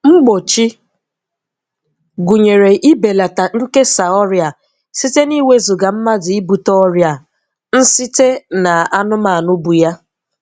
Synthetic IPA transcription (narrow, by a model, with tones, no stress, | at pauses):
ŋ͡m̩˦ɡ͡bo˨t͡ʃi˦ | ɡu˨ɲe˨ɾe˨ʔi˦be˨la˨ta˨ŋ̩˦ke˦sa˨ɔ˦ɾja˨ | si˦te˦ni˦we˦zʊ˨ɡa˨m̩˦ma˦dɪ˨i˦bu˨tɔ˦ɾja˨ | n̩˦si˦te˦na˨a˦nʊ˦ma˨nʊ˦bu˨ja˦